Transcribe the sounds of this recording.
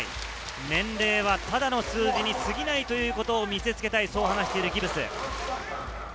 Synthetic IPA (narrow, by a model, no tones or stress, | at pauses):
ḭ | nẽ̞nɾe̞ːβ̞at̪ad̪ano̞sɨːd͡ʑiɲ̟isɨɡʲinait̪o̞jɯ̟ːko̞t̪o̞ːmʲise̞t͡sɨ̥ke̞t̪aiso̞ːɦanaɕi̥t̪e̞iɾɯ̟ɡʲibɯ̟sɨ̰